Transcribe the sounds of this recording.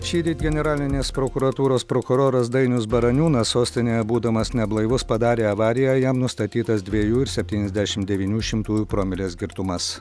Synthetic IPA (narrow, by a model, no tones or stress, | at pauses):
ʃʲiːd̪ʲiːt̪ɡʲɛnʲɛɾɑːlʲɪnʲeːspɾoːkʊɾɐt̪uːɾoːspɾokʊɾoːɾɐs̬d̪ɐɪnʲʊsbɐɾɐnʲuːnɐssoːsʲt̪ʲɪnʲoːjɛbuːd̪ɐmɐsnʲɛblˠɐɪʋʊspɐd̪ɑːɾʲeːɐʋɑːɾʲɪjæjɛmnʊst̪ɐt̪ʲiːt̪ɐsd̪ʲʋʲiɛjuːɪɾsʲɛpʲt̪ʲiːnʲɛzʲd̪ʲæʃʲɪmd̪ʲɛʋʲiːnʲuːʃʲɪmt̪uːjuːpɾoːmʲɪlʲeːsɡʲɪɾt̪ʊmɐs